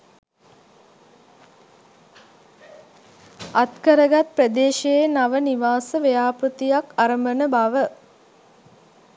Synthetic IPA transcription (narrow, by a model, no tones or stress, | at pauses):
at̪kəɾəɡat̪̚prəd̪eːʃejenaʋəniʋaːsəʋejaːpɾut̪ijakaɾəmbənəbaʋə